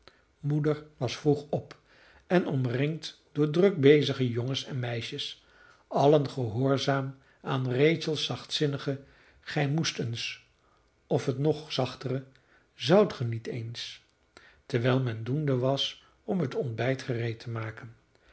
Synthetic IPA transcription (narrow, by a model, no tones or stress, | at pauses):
mudəɹʋɑsfruχɔp | ɛnɔmrɪŋtd̥ʊːɹdrɵk̚bejzəχəjoŋəsɛnmɛjʃəs | ɑlənχəɦʊːɹzaːm | aːnrejtsəlˠsɑχtsɪnəχə | χɛjmustəns | ɔfɦətnɔχsɑχtərə | zɑwtχənitʰejns | tɛɹʋɛjlˠmɛndundəʋɑs | ɔmɦətɔnbɛjtχərejtʰəmaːkən